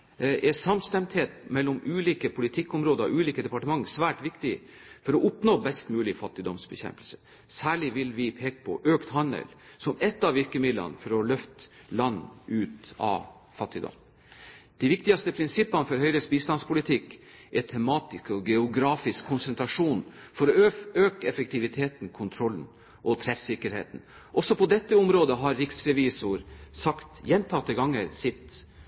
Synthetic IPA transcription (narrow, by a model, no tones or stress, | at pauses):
ʔɛsɑmst̪ɛmt̪heːt̪mɛlːɔmʉːliːkəpʰʊlɪt̪ʰɪkːʊmɾoːd̪əɾɔ̰ʔʉːliːkəd̪ɛpɑʈəmɑŋːəsʋæːʈʋɪkt̪ɪ | fɔɾɔʔʊpnoːbɛst̪mʉːlɪfɑt̪ːɪd̪ɔmsbəçɛ̰mpəlsə | sæːɭɪʋɪlʋɪpʰeːkə̥pʰɔ̰ʔøːkt̪hɑnə̰lsɔmɛt̪ːɑʋɪɾkəmɪd̪lə̰nəfɔɾɔlœft̪ | lɑnːʉːt̪ɑ̰ | fɑt̪ːɪd̪ɔ̰m | d̪̥ɪʋɪkt̪ɪɡɑst̪əpʰɾɪnsɪpːɑnəfɔɾhœʏɾəsbiːst̪ɑnspʊlɪt̪ʰɪkʔɛt̪ʰɛmɑːt̪ɪskɔɡɛʊɡɾɑːfɪskʰːʊnsɛnt̪ʰɾɑʂuːnfɔɾɔøːkəɛfɛk̚t̪ʰɪʋɪt̪ʰeːt̪n̩kʰʊnt̪ʰɾɔlːn̩ | ʔɔt̪ʰɾɛfsɪkːəɾhḛːt̪n̩ | ʔɔsɔpʰɔd̪ɛt̪ːəʊmɾoːd̪əɦɑɾɾɪksɾɛʋiːsʊɾsɑkt̪jɛnt̪ʰɑt̪ːəɡɑŋːəɾsɪt̪